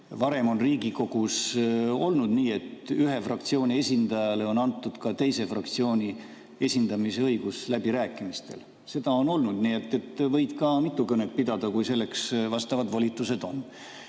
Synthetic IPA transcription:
vɑɾe̞mo̞nriːɡiko̞ɡ̥uso̞lnud̪niːe̞t̪yɦe̞frɑk̚t̪sio̞ːnʲie̞sʲind̪ɑjɑle̞o̞nɑnt̪ːˑud̪̥kɑt̪e̞jse̞frɑ̰kt̪sio̞ːnʲi | e̞sʲind̪̥ɑmise̞ɤjɡ̥uslæb̥iɾæːkːˑimist̪e̞̰l | se̞d̪̥ɑo̞no̞lnud̪niːet̪ːe̞t̪ːvɤ̞jd̪kɑmit̪ˑːukɤne̞t̪̚pid̪̥ɑd̪̥ɑkujse̞lːe̞ksvɑst̪ɑvɑd̪volʲit̪ːˑuse̞d̪o̞n

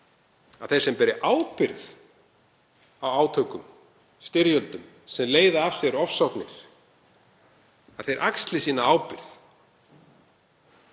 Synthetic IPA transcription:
aðθej̥sɛmpɛɾɪʔaːwpɪɾð | awaːwt̪ʰœɥkʏm | st̪ɪɾjœlt̪ʏm | sɛmleːjðaafsjɛɾɔfsɔknɪ̰ɾ̥ | aðθejɾʔakst̪lɪsiːnaaːwpɪɾ̥θ

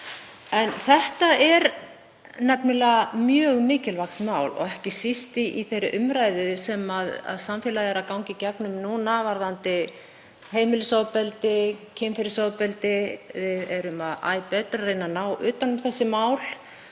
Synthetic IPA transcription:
ɛnθɛht̪aɛɾ | nɛpnʏlɛːɣamjœːɣmɪːcɪlvaxt̪maːwlɔ̰ɣɛhcɪsist̪iiθejɾɪʔʏmɾaːjðʏsɛmaða̰ðsamfjɛːlaðɛɾaðkawŋcɪcɛknʏmnuːnavaɾðant̪ɪ | ɦeːjmɪlʏsoːwpɛlt̪ɪcʰɪmfɪɾɪsoːwpɛlt̪ɪvɪðɛɾʏmaða̰ːjpɛːt̪ɾarejnanaːwʔʏːt̪anʏmθɛsːɪmaːwl̥

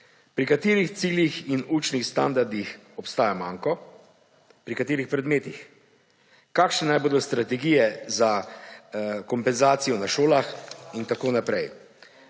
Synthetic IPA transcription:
pɾikat̪iːɾixt̪siːljixinuːt͡ʃnixst̪and̪aɾd̪ix | ɔpst̪aːjamaːŋkɔ | pɾikat̪eːɾixpɾɛd̪meːt̪ix | kaːkʃnɛnajboːd̪ɔst̪ɾat̪ɛɡiːjɛza | kɔmpɛnzaːt̪sijɔnaʃoːlaxint̪akoːnapɾɛj

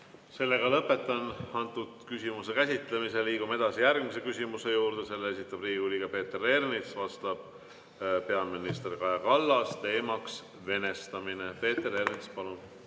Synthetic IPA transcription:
se̞lːeɡɑlɤpːˑe̞t̪ːˑɑnɑnt̪ːˑud̪̥kysimuse̞kæsʲit̪ˑle̞mise̞liːɡ̥ume̞d̪̥ɑsijærɡ̥mise̞kysʲimuse̞juːɾd̪̥e̞se̞lːeesit̪ːˑɑbriːɡiuliɡ̥ɑpe̞ːt̪ːere̞rnit̪svɑst̪ɑb̥̚ | pe̞ɑminist̪erkɑjɑkɑlːɑst̪e̞ːmɑks | ve̞ne̞st̪ɑmine̞pe̞ːt̪ːˑeɾe̞rnit̪spɑlun

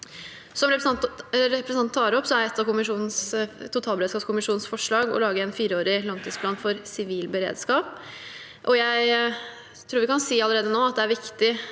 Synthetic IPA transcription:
sɔmɾɛpɾɾɛpɾəsəɑnːʰɑːɾɔpsɔæɾɛt̪ːɑkʊmɪʂuːnn̩st̪ʊt̪ʰɑːlbəɾeːd̪skɑːpskʰʊmɪʂuːnn̩sfɔʂɭɑːɡɔ̰lɑːɡəɛnfiːɾəoːɾɪlɑŋt̪ʰiːsplɑːnfɔɾsɪʋiːlbəɾḛːd̪skɑːp | ʔɔjæɪ | t̪ʰɾuːɾʋɪkɑnsiːɑləɾeːd̪ənoːɑt̪̚d̪ɛæɾʋɪkt̪ɪ

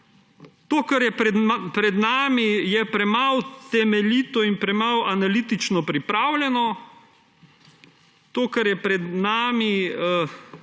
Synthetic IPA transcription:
t̪oːkaɾjɛɛpɾɛd̪naːmijɛpɾɛmawt̪ɛmɛliːt̪ɔinpɾɛmalanalit̪it͡ʃnɔpɾipɾaːwlʲɛnɔ | t̪oːkaɾjɛpɾɛd̪naːmi

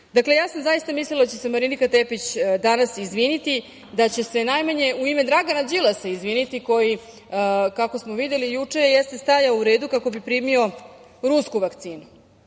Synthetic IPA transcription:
d̪akle̞jaːsamzajist̪amislilad̪at͡ɕesemaɾinikat̪epit͡ɕd̪anasizʋinit̪i | d̪at͡ɕe̞senajmaɲe̞uimed̪ɾaɡanad͡ʑilˠasaizʋiːnit̪iko̞ji | kako̞smoʋid̪je̞lijut͡ʂejest̪est̪ajauɾe̞ːd̪ukako̞bipɾiːmio̞ | ɾuskuʋakt̪siːnu

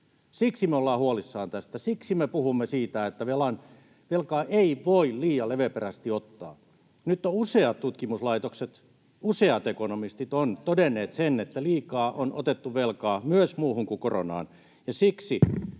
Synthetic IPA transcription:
siksimeolːɑːhuolisːɑːnt̪æst̪æsiksimepuhumːesiːt̪æet̪ːæʋelɑn | ʋelkɑːʔeiʋoilliːjɑleʋeperæst̪iot̪ːɑ̰ː | nyt̪ːouseɑt̪t̪ut̪kimuslɑit̪okset̪ | useɑt̪ekonomist̪it̪ont̪odenːeːt̪senet̪ːæliːkɑːʔono̰t̪et̪ːuʋelkɑːmyøsmuːhuŋkukoro̰nɑ̰ːn | jɑsiksi

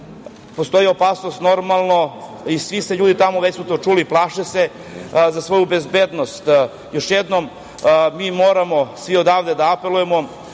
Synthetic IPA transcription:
post̪o̞jio̞paːsnost̪no̞ɾmalˠno | isʋiseʎuːd̪it̪amoʋet͡ɕsut̪ot͡ʃuliplˠaːʃese | zasʋo̞jubezbeːd̪no̞st̪ | jo̞ʃjed̪nom | miːmo̞ːɾamo̞sʋiod̪aːʋd̪ed̪aape̞lujemo̞

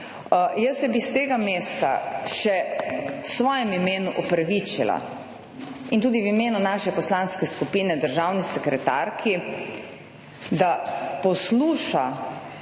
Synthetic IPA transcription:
jəsɛbist̪eːɡameːst̪a̰ʃɛwsʋɔːjɛmimeːnuʔɔpɾaʋiːt͡ʃila̰ | int̪uːd̪iwimeːnunaʃɛpɔslaːnskɛskupiːnɛd̪əɾʒaːwnisɛkɾɛt̪a̰ɾkʰi | d̪apɔsluːʃa

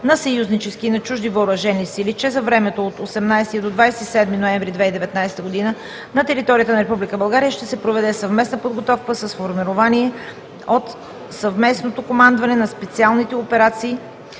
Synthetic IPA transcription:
nɐsɐjuznit͡ʃɛskinɐt͡ʃuʒd̪ivəːɾɐʒɛnisilit͡ʃɛzɐvɾɛmɛt̪oːt̪osɛmnajst̪id̪od̪vajsɛisɛd̪minoɛ̃ɱvɾid̪vɛid̪ɛvɛt̪najsɛt̪əɡod̪inə | nɐt̪ɛɾit̪ɔɾijət̪ənɐɾɛpublikəbɐlˠɡaɾijəʃt̪ɛsɛpɾovɛd̪ɛsɐvmɛsnəpod̪ɡot̪ɔfkəsəsfoɾmɛɾovaniɛ | ot̪ | sɐvmɛsnot̪okomand̪vɐnɛnɐspɛt̪sialˠnit̪ɛopɛɾat̪siː

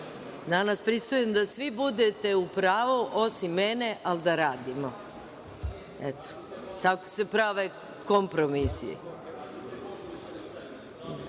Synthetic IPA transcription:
d̪anaspɾist̪ojemd̪asʋibud̪et̪e̞upɾaːʋoʔo̞simːeneʔald̪aɾaːd̪imo | et̪o̥ | t̪ako̥se̞pɾaʋe | kompɾomisḭḛ

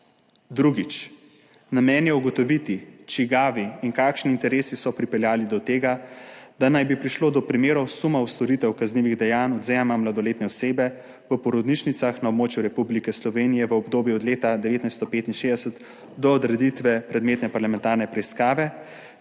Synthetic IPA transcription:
d̪ɾuɡit͡ʃ | namɛːnjɛuɡɔt̪ɔʋit̪it͡ʃiɡaːʋiiŋkaːkʃniːnt̪ɛɾeːsisɔpɾipɛljaːlid̪ɔt̪eːɡad̪anajbipɾiʃloːd̪ɔpɾimeːɾɔwsumawst̪ɔɾit̪ɛwkazniʋiɣd̪ɛjaːnɔd̪zɛmamlad̪ɔleːt̪nɛɔseːbɛ | ʋəpɔɾɔd̪niʃnit̪saxnaobmoːt͡ʃjuɾɛpublikɛslɔʋeːnijɛʋəɔbd̪oːbjuɔd̪leːt̪ad̪ɛʋeːt̪najst̪ɔpeːt̪inʃeːd̪ɛsət̪ | d̪ɔːd̪ɾɛd̪it̪ʋɛpɾɛd̪meːt̪nɛpaɾlamɛ̃nt̪aɾnɛpɾɛiskaːʋɛ

